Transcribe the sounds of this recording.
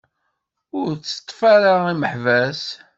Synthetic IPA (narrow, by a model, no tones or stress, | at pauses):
ʊɾt͡sːə̥t̪ˤːfaɾaiməħvæs